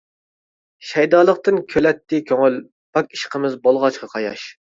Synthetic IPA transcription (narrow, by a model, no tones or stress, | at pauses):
ʃɛjd̪ɑːlˠəqt̪ɨnkʲʰølɛt̪ːɪkʲʰøŋøl | b̥ɑkʲi̥ʃqʰəmɪzbolˠʁɑt͡ʃqʰɑqʰɑjɑ̰ʃ